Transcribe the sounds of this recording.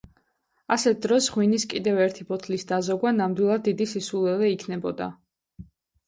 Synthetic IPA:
asɛt̪̚d̪ɾɔsʁwiniskʼid̪ɛvɛɾt̪ʰibɔt̪ʰlisd̪azɔɡwanamd̪wilˠad̪ːid̪isisulˠɛlɛikʰnɛbɔd̪a̰

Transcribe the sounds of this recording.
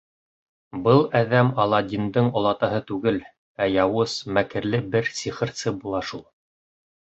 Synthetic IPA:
bɤlˠæðæmɑlˠɑd̪ʲind̪ɤɴŏlˠɑt̪ɑɦɤt̪ʉɡɘl | æjɑwɤsmækɘ̆ɾlɘbɘɾsiχɤ̆ɾsɤbulˠɑʃulˠ

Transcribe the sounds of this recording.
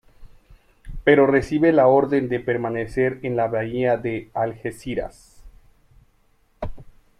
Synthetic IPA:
pe̞ɾo̞re̞siβe̞lao̞ɾðe̞nd̪e̞pe̞ɾmane̞se̞ɾenlaβaiaðe̞alxesiɾa̰s

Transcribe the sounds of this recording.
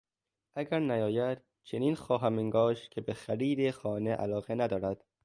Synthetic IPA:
æɡæɾnæjɒːjæd̪̥ | t͡ʃʰeniːnxɒːɦæmiŋɡɒːʃkʲʰebexæɾiːd̪exɒːneʔæ̰lɒːɣenæd̪ɒːɾæd̪̥

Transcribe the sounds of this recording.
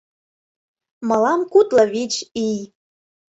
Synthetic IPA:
mɑlɑmkut̪lɤ̆βit͡ɕij

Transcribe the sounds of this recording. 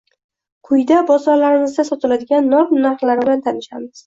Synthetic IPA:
qʰʊjd̪abɒzɒlaɾɪmɪzd̪ʲasɒt̪ʰɪlad̪ɪɡʲanːɒmnaɾqlaɾɪblant̪ʰanɪʃamɪz̥

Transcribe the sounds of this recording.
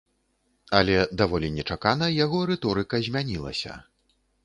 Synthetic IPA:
ɐlʲɛd̪avɔlʲinʲɛt͡ʂakanɐjaɣɔɾɛt̪ɔɾɨkɐzʲmʲanʲilˠɐ̰sʲɐ̰

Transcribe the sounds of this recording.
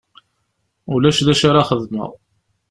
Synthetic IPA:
ulæʃðæʃaɾaχəðmə̰ˤ

